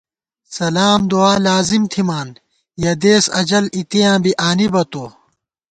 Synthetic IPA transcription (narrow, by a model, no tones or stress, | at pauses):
sɐlaːmd̪oaːlaːzimt̪ʰimaːn | jɐd̪eːsɐd͡ʑɐlit̪ijãːbiʔaːnibɐt̪oː